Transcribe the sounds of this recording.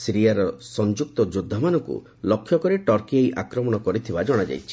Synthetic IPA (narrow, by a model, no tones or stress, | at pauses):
siɾiaɾɔsɔnd͡ʒuk̚t̪ɔd͡ʒud̪ʱːamanɔŋkṵ | lɔkʰːjɔkɔɾeʈɔɾkiejʔakɾɔmɔɽ̃ɔkɔɾit̪ʰibad͡ʒɔɽ̃ad͡ʒa̰jt͡ʃʰi̥